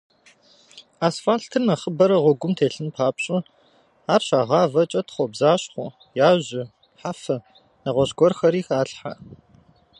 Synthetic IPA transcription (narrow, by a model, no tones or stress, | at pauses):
aːsfaːɬtʰɨnɐχəbɐɾɐʁʷɔɡʷʊmtʰeːɬɨnpʰaːpɕʼʊ | aːrɕaːʁɑːvɐt͡ʃʼɐtʰχʷɔbzaːɕχʷʊ | jaːʑɪ | ħafɐ | nɐʁʷɔɕɡʷɔrxɐɾiːxaːɬħa̰